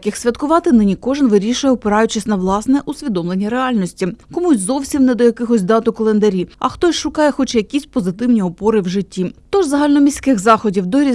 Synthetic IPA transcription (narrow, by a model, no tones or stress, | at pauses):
kʲɪxsʲʋʲɐt̪kʊʋɑt̪ɪnɪnʲikɔʐɪnʋɪɾʲiʃʊjɛɔpɪɾɑjʊt͡ʃɪsʲnɐʋlˠɑsnɛʔusʲʋʲid̪ɔmlˠenʲːiɾeɑlʲnɔsʲtʲikɔmusʲzɔwsʲimnɛd̪ɔjɐkɪxɔsʲd̪ɑt̪ʊkɔlˠend̪ɐɾʲiɐ̰xt̪ɔsʲʃʊkɑjɛxɔt͡ʃɛjɐkʲisʲpɔzɪt̪ɪwnʲiɔpɔɾɪwʒɪtʲːit̪ɔʒzɐɦɑlʲnɔmʲisʲkɪxzɑxɔdʲiwd̪ɔɾʲi